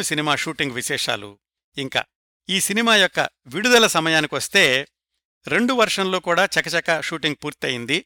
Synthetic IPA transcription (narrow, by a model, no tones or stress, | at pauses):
usinimaːʂuːʈiŋɡʋiʃɛːʂa̰ːlṵ | iŋka̰ː | iːsinimaːjɔkːɐ̰ʋiɽud̪ɐlɐsɐmɐjaːnikiʋɐst̪e̞ː | ɾe̞ɳɖuʋɐɾʂɐnlo̞ːkuːɽaːt͡ʃɛkːɐt͡ʃɛkːɐʃuːʈiŋɡ̚puːɾt̪ɐjind̪i